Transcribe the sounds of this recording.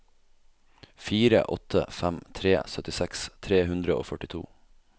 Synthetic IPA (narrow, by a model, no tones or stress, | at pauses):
fiːɾə̰ʔɔt̪ʰə̰fæmt̪ʰɾeːsœt̪ɪsɛkst̪ʰɾeːhʉnd̪ɾəo̰ːfœʈɪt̪ʰṵː